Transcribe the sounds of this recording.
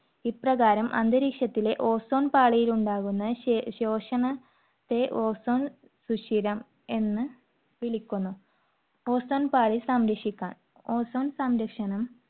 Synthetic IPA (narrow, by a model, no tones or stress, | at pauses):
iprɐɣaːɾɐmʔɐ̰nd̪ɐɾikʂjɐt̪ːile̞ʔo̞ːso̞ːnpaːɭijiluɳɖaːɣunːɐɕo̞ːʂɐɳɐ | t̪ːe̞ʔo̞ːso̞ːn | suɕiɾɐm | e̞nːɨ | ʋiɭikʲːunːu | o̞ːsoːnpaːɭisɐmɾɐkʂikʲːa̰ːɳ | oːsoːnsɐmɾɐkʂɐɳɐm